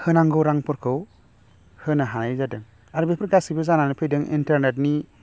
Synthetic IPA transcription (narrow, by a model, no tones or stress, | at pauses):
hɯnaŋɡɯwɾaŋpɔɾkʰɯw | hɯnaɦanajzadɯŋ | aɾbepʰɯɾɡasibɯzananɯpʰɯjdɯŋḭntaɾnetni